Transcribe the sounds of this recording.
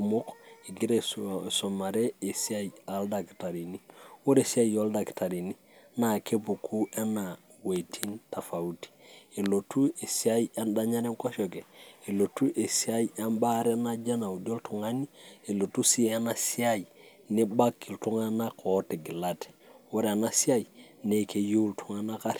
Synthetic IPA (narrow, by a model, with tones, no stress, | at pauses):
umo˦ke˨ɡi˦ɾe˨so˨ma˨ɾe˦e˨si˦a˦ja˨lda˨ki̥˨ta˨ɾi˨niwo˦ɾe˨si˦a˦jjoldaki̥ta˨ɾi˨ni˦ | na˨ke˦bu˨kʰu˦e˦na˨ | we˨tʰi˦nta˨fa˨uti̥e˨lo˨tu˦e˨si˦a˦ja˦nda˦ɲa˦ɾe˦ŋko˦ʃo˨ke˨e˨lo˨tu˦ʔe˨sia˦ja˦nba˦ɾe˦na˦d͡ʒa˦na˨u˨do˦ltu˨ŋa˦ni˦e˨lo˨tu˦si˦a˦na˨si˦a˦j | ni˦ba˦kːi˨ltu˦ŋa˦na˦kote˨ɡi˨la˦te̥˨wo˦ɾe˨a˨na˨si˦a˦jne˨ke˨ju˦ltʰu˦ŋa˦na˦ka˦ɾ